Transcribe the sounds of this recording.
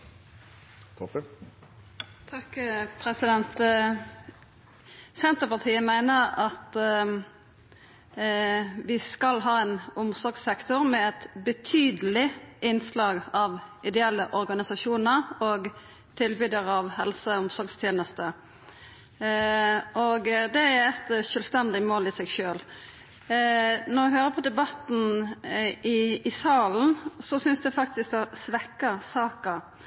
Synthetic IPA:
t̪ʰɑkpʰɾɛsɪd̪ɛnt̪ | sɛnt̪əpɑʁt̪ʰiːəmæɪnəɾɑt̪ | ʋɪskɑlɦɑːɛnʊmsɔɾɡsɛkt̪ʊʁmɛɛt̪bət̪ʰyːd̪əlɪɪnslɑːɡɑʋʔɪd̪ɛɛlːəʔɔɾɡɑnɪsɑʃuːnəɾɔɡ | t̪ʰɪlbyːd̪əɾɑʋhɛ̰lsəʊmsɔɡst̪ʰjeːnəst̪ə | ɔɡd̪ɛæɾɛt̪ʃœːlst̪ɛnd̪ɪmoːlɪsɛɡʃøːl | nɔɾɛɦøːʁəpʰɔd̪ɛbɑt̪n̩ | ɪɪsɑːln̩sɔsʏnsd̪ɛfɑk̚t̪ɪsk̪̚ɛsʋɛkːəsɑːkə

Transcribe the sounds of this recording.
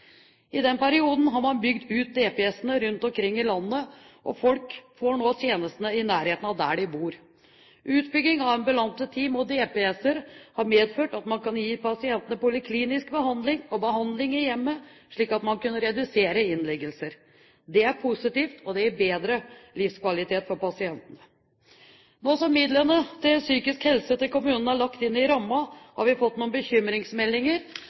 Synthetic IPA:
ɪd̪ɛnpæɾɪuːd̪n̩ɦɑɾmɑnbʏɡd̪ʉːt̪̚d̪eːpɛɛsːənəɾʉnt̪ɔmkʰɾɪŋːɪlɑnːə | ʔɔ̰fɔlkfoːɳoːt̪ʰjeːnəst̪ənəɪnæːɾheːt̪n̩ɑʋd̪æ̰ːɖɪbuːɾ | ʔʉːt̪bʏɡ̪ːɪŋɑʋɛnbəlɑnt̪ət̪ʰiːmɔd̪eːpeɛsəɾhɑɾmeːd̪føːʈɑt̪mɑnkɑnjiːpʰɑsɪɛnt̪ənəpʊlɪkʰliːnɪskbəɦɑnd̪lɪŋɔbəɦɑnd̪lɪŋɪjɛmːəʂɭiːkɑt̪mɑnkʉnːəɾɛd̪ʉseːɾəɪnlɛɡəlsəɾ | d̪ɛæɾpʰʊsɪt̪iːft̪ʰɔd̪ɛæbeːd̪ɾəlɪfskʰʋɑlɪt̪ʰeːt̪fɔɾpɑsɪɛnt̪ənə | noːsɔmːɪd̪lənət̪ʰɪlsyːkɪskhɛlsət̪ɪlkʊmʉːnən̩æɭɑkt̪ɪnːɪɾɑmːɑhɑ̰ɾʋɪfɔt̪ːnuːənbəçʏmɾɪŋsmɛlːɪŋəɾ

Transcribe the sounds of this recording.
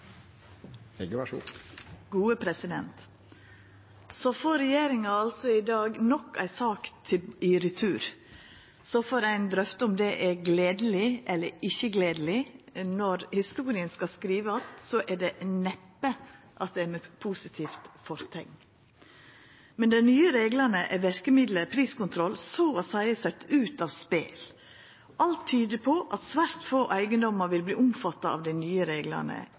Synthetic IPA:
ɛɡʂṵɡ̥uːəpʰɾɛsɪd̪ɛnt̪ | sɔfɔɾɛjeːɾɪŋɑɑlsɔɪd̪ɑːɡnɔkːæ̰ɪsɑːkt̪ʰɪɪɾʏt̪ʰʉːɾ | sɔfoɾæɪnd̪ɾœft̪əʊmd̪ɛʔɛɾɡleːd̪əl̩ɪʔɛlːəɾɪçəɡleːd̪əlɪnɔɾhɪst̪uːɾɪənskɑskɾiːʋəɑt̪sɔʔæɖɛnɛpːə | ʔɑt̪̚d̪ɛæɾmɛpʰuːsɪt̪ʰiːft̪fɔɾt̪ʰɛŋ | mɛnd̪ɛnyːəɾeːɡlɑnəʔɛʋæɾkəmɪd̪ləɾpʰɾiːskʊnt̪ʰɾɔlsoːɔsæɪəsɛt̪ːʉːt̪ɑʋspḛːl | ʔɑlt̪ʰːyːd̪əpʰɔʔɑt̪sʋæɾt̪foːʔæɪɡənd̪ɔməɾʋɪlbliːʔʊmfɑt̪ːɑɑ̰ʋd̪æɪnyːəɾeːɡlɑ̰nə̰

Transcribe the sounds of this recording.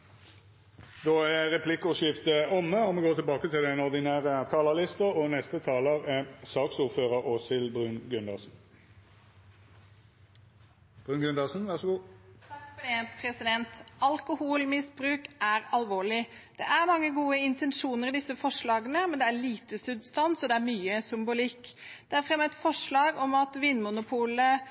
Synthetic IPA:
d̪oːææʁɛpʰlɪkːɔʃɪft̪əɔmːəɔmɛɡoːt̪ʰɪlbɑːkət̪ʰɪld̪ɛnɔʁd̪ɪnæːʁət̪ʰɑːləlɪst̪əɔnɛst̪ət̪ʰɑːləʁæsɑːksuːʁføːʁəʁoːsɪlbʁʉːnɡʉnd̪ɑsn̩ | b̥ʁʉːnɡʉnd̪ɑsn̩ʋæʁʂəɡuːt̪ʰɑkfɔd̪ɛpʰɾɛsɪd̪ɛnt̪ɑlkʊhuːlmɪsbɾʉːkæɾɑlʋoːɭɪd̪̥ɛʔæɾmɑŋːəɡuːəɪnt̪ɛnʂuːnəɾɪd̪ɪsəfɔʂɭɑːɡənəmɛnd̪ɛæɭiːt̪əsʉbst̪ɑnsɔd̪ɛæɾmyːəsʏmbʊlɪkː | d̪̥ɛæɾfʁɛmːəɛt̪fɔʂɭɑːɡɔmɑt̪ʋinːmʊnʊpʰuːlə

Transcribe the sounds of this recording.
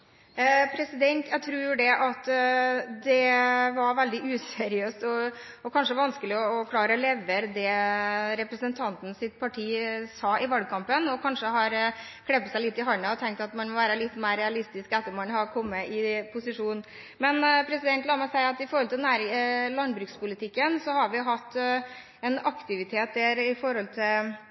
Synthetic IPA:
pʰɾɛsɪd̪ɛnt̪jæt̪ʰɾuːjd̪ɛʔɑt̪ | d̪ɛʋɑɾʋɛld̪ɪʔʉːsɛɾɪøːst̪ɔɔkʰɑnʂəʋɑnskəlɪɔɔkʰlɑːɾəlɛʋəɾd̪ɛɾɛpɾəsənt̪ʰɑnt̪n̩sɪt̪̚pʰɑʈʰiːsɑːɪʋɑlɡ̚kʰɑmpənɔkʰɑnʂəɦɑɾ | kʰlɛpːət̪sæɪlɪt̪ːɪɦɑɳəɔt̪ʰɛŋk̚t̪ɑt̪mɑnmɔʋæːɾəlɪt̪ːmæːɾɛɑlɪst̪ɪskɛt̪ːəɾmɑnhɑɾkʰɔmːəʔɪpʰʊsɪʂuːn | mɛnpʰɾɛsɪd̪ɛnt̪lɑːmɑsæɪɾɑt̪ɪfɔɾɔlt̪ɪnæːɾɪlɑnd̪bɾʉːkspʊlɪt̪ʰɪkːənsɔhɑɾʋɪɦɑt̪ː | ɛnɑkt̪ɪʋɪt̪ʰeːt̪̚d̪æɾɪfɔɾhɔlt̪ʰɪl

